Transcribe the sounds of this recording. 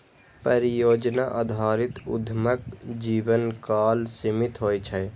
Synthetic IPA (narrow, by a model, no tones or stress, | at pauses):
pəɾijod͡ʒnaʔəd̪ʱaːɾit̪ṵd̪ʱməkd͡ʒibənkalsimit̪ɦojt͡ʃʰə